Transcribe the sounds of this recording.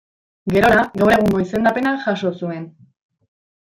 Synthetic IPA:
ɡe̞ɾo̞ɾaɡawre̞ɣ̞uŋɡo̞ise̞nd̪ape̞naʝaʃo̞sue̞n

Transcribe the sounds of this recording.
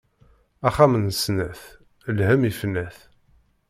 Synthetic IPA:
æχamənsnæθ | lhæmifnːæθ

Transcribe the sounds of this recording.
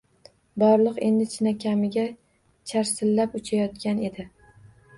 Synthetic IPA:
bɒɾlˠɨqe̞nd̪ɪt͡ʃʰɪnakʲʰamɪɡʲa | t͡ʃʰaɾsɪlːapʊt͡ʃʰajɒt̪kʲane̞d̪ɪ

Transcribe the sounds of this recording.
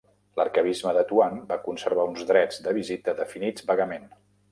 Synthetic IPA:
lərkəβ̞izməðət̪uanbakunsəɾβ̞aunzd̪ɾɛd͡zd̪əβizit̪əðəfinid͡zbəɣəmen

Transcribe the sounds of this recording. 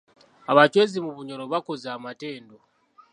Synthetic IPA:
aβat͡ʃwezimuβuɲo̞ɾoβakozaːmateːndo

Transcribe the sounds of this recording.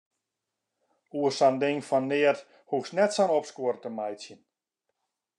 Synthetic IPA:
uəsandɪŋfɔnːɪət | huksnɛtsanɔpskuəɾətəmajsjən

